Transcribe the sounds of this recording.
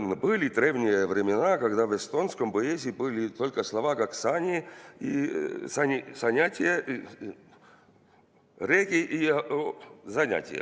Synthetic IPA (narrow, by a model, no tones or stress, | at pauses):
nbɨlʲɪd̪ɾʲevnʲɪjəvɾʲɪmʲɪnakɐɡd̪avɛst̪onskəmpəezʲɪbɨlʲɪt̪olʲkəslˠɐvakaksanʲɪisanʲɪsɐnʲatʲɪjəʔ | ɾʲekʲɪʔi | zɐnʲa̰tʲɪ̰jə̰